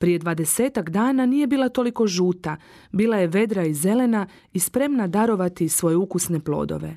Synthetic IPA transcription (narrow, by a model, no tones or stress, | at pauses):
pɾije̞d̪ʋaːd̪e̞se̞ːt̪akd̪aːnanije̞biːlˠat̪o̞liko̞ʒuːt̪a | biːlˠaje̞ʋe̞d̪ɾaize̞le̞na | ispɾe̞mnad̪aɾo̞ʋat̪isʋo̞je̞ukusne̞plˠo̞̰ːd̪o̞̰ʋe̞̰